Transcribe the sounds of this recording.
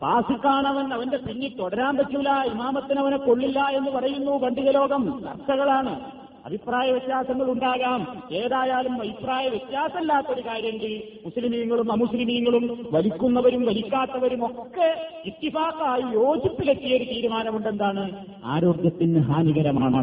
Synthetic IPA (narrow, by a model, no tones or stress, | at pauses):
paːsikːaːɳɐʋenːɐʋɐnde̞siŋːit̪oɽɐɾaːmpɐtːuilːaimaːmɐt̪ːinɐʋɐneko̞ɭːilːɐe̞nːɨpɐrɐjunːuʋɐɳɖiɣɐlo̞ːɡɐmt̪ɐ̰rsɐɣɐɭaːɳɨ | ɐ̰bʱipraːjɐʋit̪jaːsɐŋːɐɭuɳɖaːɣaːmkeːðaːjaːlumʋɐjipraːjɐʋit̪jaːsɐmɐlːaːt̪ːɐo̞ɾukaːɾjɐŋɡi | muslimijɐŋːɐɭumɐmuslimijŋːɐɭumʋɐlikʲːunːɐʋɐɾumʋɐlikʲːaːt̪ːɐʋɐɾumo̞kːe̞it̪ːibaːkːaːjijo̞ːd͡ʑipːilek̪ːijɐo̞ɾut̪iːɾumaːnɐmuɳɖe̞nd̪aːɳɨ | a̰ːɾo̞ːɡjɐt̪ːinɦaːniɣɐɾɐma̰ːɳɐ̰